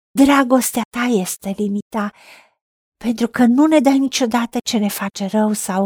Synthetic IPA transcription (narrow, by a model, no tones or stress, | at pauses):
d̪ɾaɡo̞st̪eat̪aje̞st̪e̞limit̪a | pe̞nt̪ɾukənune̞d̪ajnit͡ʃo̞d̪at̪ət͡ʃe̞ne̞fat͡ʃe̞rəwsaw